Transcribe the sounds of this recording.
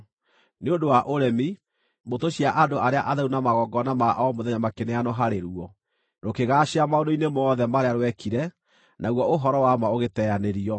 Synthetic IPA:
neondowaʔoɾɛmi | motoɕiaʔadoʔaɾeaʔaðɛunamaɣɔɡɔnamaʔɔmoðɛɲamakeneanɔɦaɾeɾuɔ | ɾokeɣaɕeamaondoinemɔðɛmaɾeaɾwɛkʰiɾɛ | nʔaɣwɔoɦɔɾɔwamaoɣetɛaneɾiɔ

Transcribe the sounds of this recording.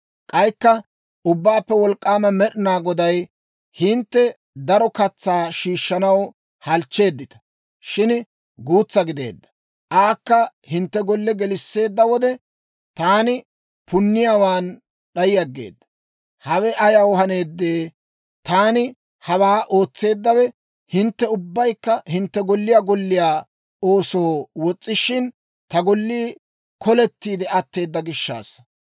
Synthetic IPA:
kʼɐjkːɐ | ʊbːaːpːɛwɔlkʼːaːmɐmɛɗɪnaːɡɔd̪ɐj | hɪnt̪ːɛ | d̪ɐɾɔkɐt͡sːaːʃiːʃːɐnɐw | hɐlt͡ʃːe̞ːd̪ːɪt̪ɐ̥ | ʃɪn | ɡuːt͡sːɐɡɪd̪e̞̰ːd̪ːɐ̥ | ʔaːkːɐhɪnt̪ːɛɡɔlːɛɡɛlɪsːe̞ːd̪ːɐwɔd̪ɛ | t̪aːnɪ | pʊnːɪjaːwaːn | ɗɐjɪjɐɡːe̞̰ːd̪ːɐ̥ | hɐwɛʔɐjɐwhɐne̞ːd̪ːeː | t̪aːnɪ | hɐwaːʔo̞ːt͡sːe̞ːd̪ːɐwɛ | hɪnt̪ːɛʊbːɐjkːɐhɪnt̪ːɛɡɔlːɪjaːɡɔlːɪjaː | o̞ːso̞ːwɔt͡sʼːɪʃɪn | t̪ɐɡɔlːiː | kʰɔlɛt̪ːiːd̪ɛɐt̪ːe̞ːd̪ːɐɡɪʃːa̰ːs

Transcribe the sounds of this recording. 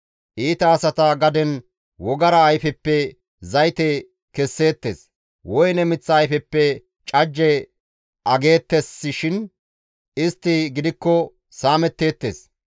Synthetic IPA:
ʔiːt̪ɐːsɐt̪ɐɡɐd̪ɛn | wɔɡɐɾɐːjfɛpːɛ | zɐjt̪ɛ | kɛsːe̞ːt̪ːḛs | wɔjnɛmɪt͡sːɐːjfɛpːɛ | t͡ʃʼɐd͡ʒːɛ | ʔɐɡe̞ːt̪ːɛsːɪʃɪn | ɪst̪ːɪɡɪd̪ɪkːɔ | saːmɛt̪ːe̞ːt̪ːe̞̰ːs

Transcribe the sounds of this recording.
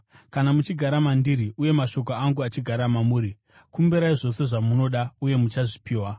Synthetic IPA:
kanamut͡ʃiɡʱaɾamandiɾiʔuje̞maʃo̞k̬oaŋɡuat͡ʃiɡʱaɾamamuːɾi | kumbiɾaiʐo̞se̞ʐamuno̞ɗauje̞mut͡ʃaʐipiːwa

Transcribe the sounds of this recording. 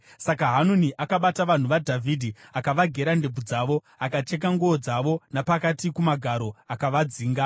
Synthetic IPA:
sakaɦanuniʔakaɓataʋan̤uʋadʱavʱidʱiakaʋaɡʱe̞ɾandeb͡vud͡zaːʋo̞ | akat͡ʃe̞k̬aŋɡood͡zaʋo̞napakatikumaɡʱaɾo̞akaʋad͡ziːŋɡa

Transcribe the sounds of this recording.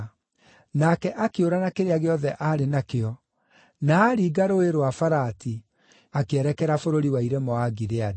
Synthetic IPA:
nakɛʔakeoɾanakeɾeaɣeɔðɛʔaɾenakeɔ | naːɾiɡaɾoeɾowafaɾati | akeɛɾɛkɛɾafoɾoɾiwaiɾɛmɔaɡiɾead

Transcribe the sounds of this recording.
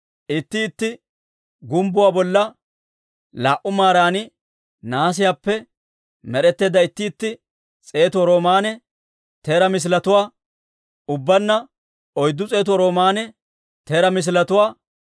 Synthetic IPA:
ʔɪt̪ːɪːt̪ːɪ | ɡʊmbʊwaːbɔlːɐ | laːʔʊmaːɾaːnɪ | naːs̬ɪjaːpːɛ | mɛɾɛt̪ːe̞ːd̪ɐɪt̪ːɪːt̪ːɪ | t͡sʼe̞ːt̪ʊɔɾo̞ːmaːnɛ | t̪eːɾɐmɪs̬lɐt̪ʊwaː | ʊbːɐnːɐ | ɔjd̪ːʊt͡sʼe̞ːt̪ʊwɔɾo̞ːmaːnɛ | t̪eːɾɐmɪs̬lɐt̪ʊwaː

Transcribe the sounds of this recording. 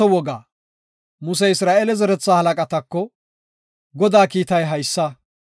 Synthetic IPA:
ɔwɔɡaː | mʊs̬ɛɪsɾaːʔelɛzɛɾɛt͡sːaːhɐlɐkʼɐt̪ɐkːɔ | ɡɔd̪aːkiːt̪ɐjɦɐjsːɐ

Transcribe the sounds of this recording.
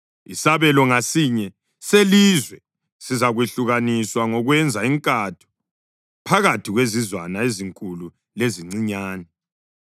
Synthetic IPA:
isaβɛlɔŋasiɲɛ | selizwɛ | sizaɣweɬuɣaniswaŋɔɣwɛnd͡zʱaiŋkʼatʰu̥ | pʰaɣatʰiɣwezizwanaeziŋkʼulu | leziŋ͡ǀiɲaːnɛ

